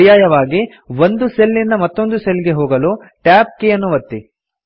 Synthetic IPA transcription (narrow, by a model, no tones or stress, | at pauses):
jaːjɐʋaːɡi | ʋond̪uselːinːɐmɐt̪ːo̞nd̪uselɡe̞ɦoːɡɐloː | ʈjaːp̚keɐnːuʋɐt̪ːi